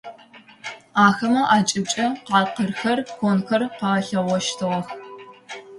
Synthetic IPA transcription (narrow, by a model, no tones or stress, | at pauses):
aːxɐmɐʔaːt͡ʃʼɪb̚t͡ʃʼɐqɑːqərxɐrxʷonxɐrqɑɬɐʁɔʃtʰɨʁɐx